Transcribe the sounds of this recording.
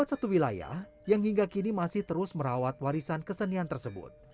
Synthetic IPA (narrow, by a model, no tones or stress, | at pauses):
at̪sat̪uwilaja̰h | jaŋɦiŋɡakinimasɪht̪əɾʊsməɾawat̪̚waɾisankəsəniant̪ərsəbʊ̰t̪̚